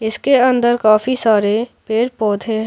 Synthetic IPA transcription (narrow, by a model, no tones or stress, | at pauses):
ɪskeɐ̃nd̪əɾkaːfisaːɾepeːʈpɔːd̪ʱʰeɦ